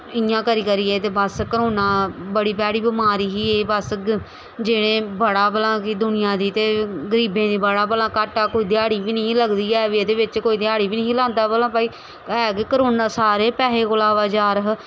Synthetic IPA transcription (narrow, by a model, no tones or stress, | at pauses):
ɪjãːkəɾiːkəɾiːeːt̪eːbəskəɾoːnãːbəɽiːpɛːɽiːbɪmaːɾiːɦiːeːbəs | d͡ʒeːɽẽːbəɽaːpəlãːkiːd̪ʊnɪjãːd̪iːt̪eːɡəɾiːbẽːd̪iːbəɽaːbəlãːkaʈaːkoːiːd̪ɪjaːɽiːbiːnəĩləɡd̪iːɛːʋieːd̪eːʋɪt͡ʃkoːiːd̪ɪaːɽiːbiːnəɦĩːlãːnd̪aːbəlãːpaːiː | ɛːkekəɾoːnãːsaːɾeːpɛːɦeːkolaːʋaːd͡ʒaːɾəɦ